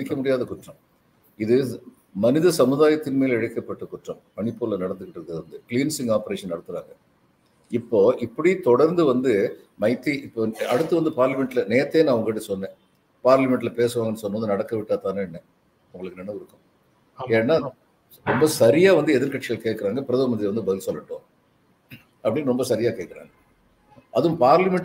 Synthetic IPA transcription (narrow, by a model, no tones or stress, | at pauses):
mɪkːɐmʊɽɪjaːðɐkʊʈrɐ̃m | ɪðɯ | mɐnɪðɐsɐmɯðaːjɐt̪ːɪnmeːlɛɻɯkːɐpːɐʈːɯkʊʈrɐ̃mpɐɳɪpːoːlɐnɐɽɐnd̪ɯkɪʈːɯɾɯðɐʋɐnd̪ɯkliːnsɪŋɡaːpɐɾeːʂɐnɐɽɯt̪ːɯɾaːŋɡɐ | ɪpːoːʔɪpːɐɽit̪ɔɽɐɾnd̪ɯʋɐnd̪ɯ | mɐɪt̪ːiʔɪpːoːɐɽɯt̪ːɯʋɐnd̪ɯpaːɾlɐmɛɳʈlɐneːt̪ːeːnãːɐʋɐŋɡɐɪʈ̬ːɯsɔnːẽː | paːɾlɐmɛɳʈɪlɐpeːsɯʋaːŋɡɛnːɯsɔnːɯʋnd̪ɯnɐɽɐkːɐʋɪʈːaːt̪aːnɯ̃ɛnːɛ | ʊŋɡɐɭɯkːɯnɛnɐʋɯɾɯkːʊ̃ | eːnːaː | ɾɔmbɐsɐɾɪjaːʋɐnd̪ɯɛðɪɾkɐʈt͡ʃːɪɣɐɭkeːʈkːɐɾaːŋɡɐpɪɾɐðɐʋɐmɐðɾiʋɐnd̪ɯbɐðɪlsɔlːɐʈːõː | ʔɐpːɐɽɪnːɾɔmbɐsɐɾɪjaːkeːkːɪɾa̰ːŋɡɐ | ʔɐðɯ̃mpaːɾlɐmɛɳʈ